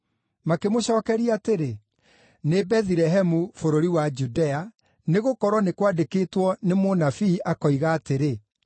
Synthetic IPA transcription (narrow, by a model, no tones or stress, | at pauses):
makemoɕɔːkɛɾiateɾe | nebɛðiɾɛɦɛmufoɾoɾiwad͡ʒudɛa | neɣokɔɾwɔnekwadekeːtwɔnemonafiːʔakɔiɣaːteɾe